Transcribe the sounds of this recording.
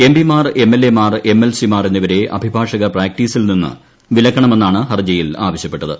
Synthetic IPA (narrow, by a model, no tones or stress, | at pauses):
e̞mbimaːre̞mːelːe̞maːre̞mːelsimaːrenːiʋɐɾe̞ʔɐ̰bʱibʱaːʂɐɣɐpraːk̚ʈiːsilninːɨ̰ | ʋilɐkːɐɳɐme̞nːaːɳɨhɐrd͡ʑɐjilaːʋɐɕjɐpːe̞ʈːɐðɨ̰